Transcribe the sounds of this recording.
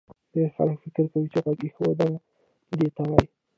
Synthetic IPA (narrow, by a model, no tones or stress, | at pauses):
d̪̥exa̰lkfɪkɪɾkawit͡ʃeɣaɡixəwod̪ana | d̪et̪awaj